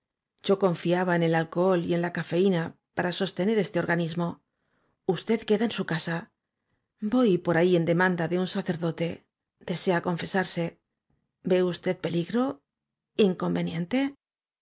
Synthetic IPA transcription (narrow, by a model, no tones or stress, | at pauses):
ʝ̥o̞ko̞ɱfiaβaene̞lalkoolie̞nlakafe̞inapaɾaso̞st̪e̞ne̞ɾe̞st̪e̞o̞ɾɣanizmo̞ | ust̪e̞ðke̞ðaensukasa | bo̞jpo̞ɾaie̞nd̪e̞mãnd̪aðe̞unsaθe̞ɾðo̞t̪e̞ | d̪e̞se̞ako̞ɱfe̞saɾse̞ | be̞ust̪e̞ð̚pe̞liɣɾo̞ | iŋko̞mbe̞njẽ̞nt̪e̞